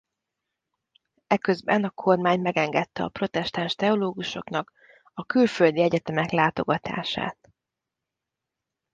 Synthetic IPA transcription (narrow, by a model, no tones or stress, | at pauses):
ɛkø̞zbɛnɒkʰo̞rmaːɲmɛɡɛŋɡɛt̪ːɛɒ̰pro̞t̪ɛʃt̪anʃt̪ɛo̞loːɡuʃo̞̰knɒk | ɒkylføld̪iɛɟɛt̪ɛmɛklaːt̪o̞ɡɒt̪a̰ːʃa̰ːt̪